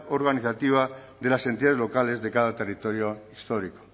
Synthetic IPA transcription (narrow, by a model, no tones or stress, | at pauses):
oɾɣaniθat̪iβ̞a | ðe̞lase̞nt̪iaðelo̞kale̞zðe̞kaðat̪erit̪o̞ɾjo̞ist̪oɾiko̥